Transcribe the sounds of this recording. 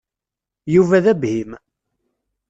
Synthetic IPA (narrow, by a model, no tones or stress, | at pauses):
juvæðæbhim